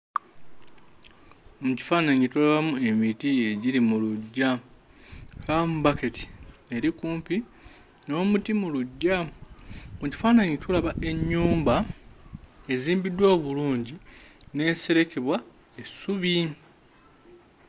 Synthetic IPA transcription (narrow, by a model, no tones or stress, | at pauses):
muci̥faːnaɲitulaβamue̞mitieɟiɾimuluɟːa | kamuβake̞ti̥e̞ɾikuːmpi | no̞ːmutimuluɟːa | muci̥faːnaɲitulaβaʔe̞ɲːuːmba | e̞ziːmbidwoβuluːɲɟine̞ːse̞ɾe̞ke̞βwa | esuβi